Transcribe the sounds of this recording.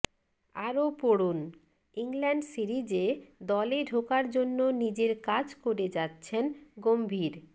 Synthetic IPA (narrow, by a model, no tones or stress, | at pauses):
aɾopoɽun | iŋlɛɳɖsiɾid͡ʑed̪ɔleɖʱokaɾd͡ʑonːonid͡ʑeɾkad͡ʑkoɾed͡ʑatːɕʰenɡombʱiɾ